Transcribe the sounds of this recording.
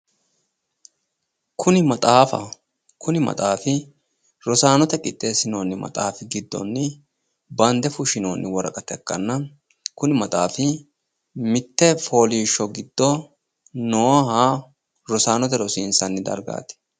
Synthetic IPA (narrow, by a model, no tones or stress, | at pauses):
kʰʊnɪmɐt̪ʼaːfɐ̰ | kʰʊnɪmɐ̰t̪ʼaːfɪ | ɾɔsaːnɔt̪ɛkʼɪt̪ʼːe̞ːsɪnoːnːɪmɐ̰t̪ʼaːfɪɡɪd̪ːɔ̰nːɪ | bɐnd̪ɛfʊʃɪnoːnːɪwɔɾɐ̰kʼɐt̪ɛkːɐnːɐ | kʊnɪmɐ̰t̪ʼaːfɪ | mɪt̪ːɛfo̞ːliːʃːɔɡɪd̪ːɔ | nɔːɦaː | ɾɔsaːnɔt̪ɛɾɔsɪnsɐnːɪd̪ɐ̰ɾɡa̰ːt̪ɪ̥